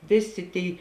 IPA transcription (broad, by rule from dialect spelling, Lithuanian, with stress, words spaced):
ˈʋʲeːˌsʲeː ˈtʲeːɪ